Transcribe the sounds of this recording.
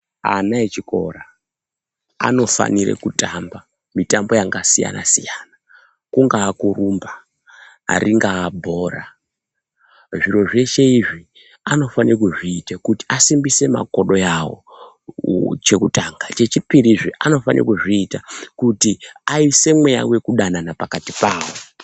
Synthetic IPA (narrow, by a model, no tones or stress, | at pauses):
a̰naet͡ʃiko̞̰ra | a̰no̞fa̰niɾḛkutamba | mitambo̞jaŋɡasija̰na̰sijana | kuŋɡaːkurumba̰ː | riŋɡaːbʱo̞ːra | ʐiɾo̞ʐe̞ʃe̞iʐi | ano̞fanirek̬uʐiːtakuti̥asimbise̞ma̰ko̞ɗo̞jawo̞̰ | t͡ʃe̞kutaŋɡat͡ʃe̞t͡ʃipiɾiʐiʔano̞fanḭrḛkuʐiːtakutiaise̞mwe̞ja̰we̞kuɗananapakatipaːwo